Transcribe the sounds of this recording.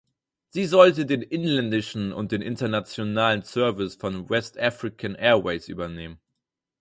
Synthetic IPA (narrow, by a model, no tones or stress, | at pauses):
z̥iːzɔltədeːnʔɪnlɛndɪʃn̩ʊ̰nt̚d̥eːnʔɪntɐnat͡sjonaːlənt͡sœɐvɪsfɔnwɛstʔafʁ̥ɪkʰanʔɛːɐweɪsʔy̰ːbɐneːmən